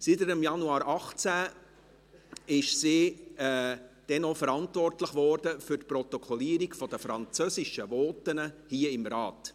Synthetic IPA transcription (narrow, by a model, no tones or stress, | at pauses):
sitəɾəmjɑnuɑːɾɑχt͡sæ | ɪʃsiːɛd̥ɛnofəɾɑntvɔrtləχʋɔrd̥əfʏrtpɾɔt̪ɔkʰɔliːəɾiɡfɔd̥əfɾɑnt͡søsɪʃəvɔːtənəhiːəɪmɾɑːt